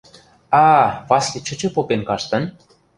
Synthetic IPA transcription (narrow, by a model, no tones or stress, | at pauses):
ɑvɑslʲit͡ɕə̆t͡ɕɤ̆popenkɑʃt̪ɤ̆n